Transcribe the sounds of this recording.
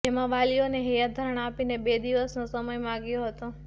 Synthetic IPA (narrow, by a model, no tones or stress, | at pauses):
d͡ʒemãʋalijoneɦijad̪ʱəɾəɳ̃apinebed̪iʋəsnõsəməjmãɡjõɦət̪õ